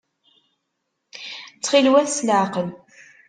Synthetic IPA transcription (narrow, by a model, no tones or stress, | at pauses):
t͡sːχilwæθslaʕqəl